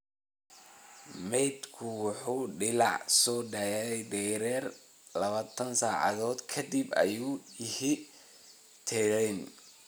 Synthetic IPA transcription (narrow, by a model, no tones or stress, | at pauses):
mɛjd̪kʰʊwʊħuːɖɪlɑʕsɔːɖɐjaɛjd̪ɛːɾɛːr | lɐβaːt̪ʰɐnsaːʕɑ̰ðɔːd̪kʰɐd̪ibɐ̰juːjɪhi | t̪ʰɛlɛn